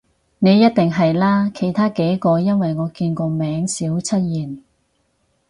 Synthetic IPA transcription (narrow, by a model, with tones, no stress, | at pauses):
ne˨˧jɐ˥t̚t̪ɪ˨ŋɦɐ˨jlaː˥kʰe˨˩jt̪ʰaː˥ke˨˥jkɔː˧jɐ˥nwɐ˨jŋɔː˨˧kiː˧nkɔː˧mɛː˨˥ŋsiː˨˥wt͡sʰɐ˥t̚jiː˨˩n